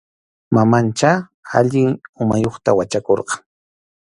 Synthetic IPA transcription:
mamant͡ʃa | a̰ʎɪŋʊmajoχt̪awat͡ʃakoɾqɑŋ

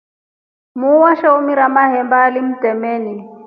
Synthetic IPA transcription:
muwaʃaumiɾamaɦɛmbaːlim̩tʼɛmɛːni

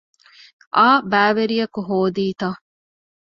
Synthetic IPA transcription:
ʔaːbæːʋeɾijɐkuɦoːd̪iːt̪a

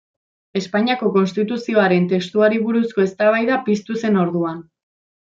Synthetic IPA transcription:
e̞spaɲiako̞ko̞nst̪it̪usio̞aɾe̞nt̪e̞kst̪uaɾiβuɾusko̞e̞st̪aβ̞ajðapist̪use̞no̞ɾðuan

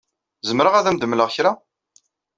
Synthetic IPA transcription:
zəmɾəʁæðæmd̪əmləʁçɾa

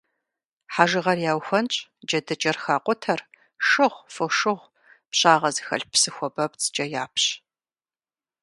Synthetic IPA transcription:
ħaʒɨʁɐrjaːwxʷɐnt͡ʃʼd͡ʒɐdɐd͡ʒɐrxaːqʷʼɔtʰɐr | ʂɨʁʷfɨʂɨʁʷ | pɕaːʁɐzɨxɐ̰ɬpsɨxʷɔbɐpt͡sʰʼd͡ʒɐjaːpʰɕ

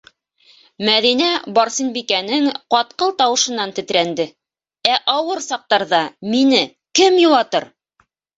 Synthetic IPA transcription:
mæðinæbɑɾsinbikænɘŋqɑt̪̚qɤlˠt̪ɑwɤ̆ʃɤ̆nːɑnt̪ɘ̆t̪ɾænd̪ɘ | æʔɑwɤɾsɑq̚t̪ɑɾðɑminɘ | kɘmjulˠɑt̪ɤɾ

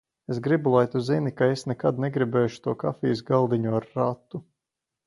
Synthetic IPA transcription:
esɡɾibulˠajt̪uzinikaesnɛkad̪nɛɡɾibɛːjʃu̥t̪uɔka̰fiːsɡalˠd̪iɲuaɾːat̪ːu

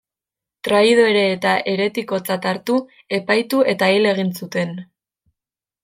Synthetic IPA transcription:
t̪ɾaið̞o̞e̞ɾe̞ːt̪aʔe̞ɾe̞t̪iko̞t͡sat̪aɾt̪u | e̞pajt̪uʔe̞t̪aile̞ɣ̞insut̪e̞n

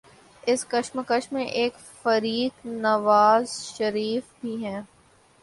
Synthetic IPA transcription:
ɪskɐʃməkəʃmẽʔeːk | fɐɾiːknɐʋaːzʃɐɾiːfbʱiɦɛ̃ː

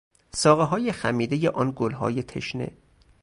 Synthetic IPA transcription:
sɒːɣeɦɒːjexæmiːd̪ejeʔɒːnɡolɦɒ̰ːjet̪ʰḛʃnḛ

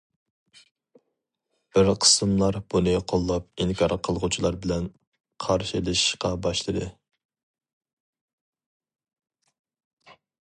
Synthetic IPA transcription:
b̥ɪɾqʰə̥sɨmlˠɑɾb̥unɨqʰolˠːɑp̚iŋkʰɑɾqʰəlˠʁut͡ʃʰilˠɑɾbɪlɛn | qʰɑɾʃilˠɨʃʃqɑbɑʃlˠɨd̪ɨ

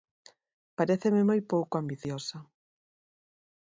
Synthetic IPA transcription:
paɾeθemɪmojpowkoambiθjosa

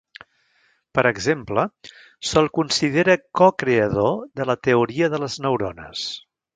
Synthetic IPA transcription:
pəɾəɡzemplə | sɔlˠkunsiðeɾəkɔkɾeəðoðələt̪əuɾiəðələznəwɾɔnə̰s

